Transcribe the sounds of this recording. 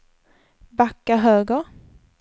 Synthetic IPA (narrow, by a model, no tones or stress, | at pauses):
bakːaɦøːɡəɾ